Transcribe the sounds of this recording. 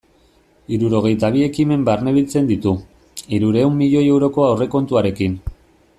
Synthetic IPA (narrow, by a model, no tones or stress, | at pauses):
iɾuɾo̞ɣ̞e̞jt̪aβ̞ie̞kime̞mbarne̞βilt͡se̞nd̪it̪u | iɾuɾe̞wmːiʎo̞je̞wɾo̞ko̞awre̞ko̞nt̪uaɾe̞kin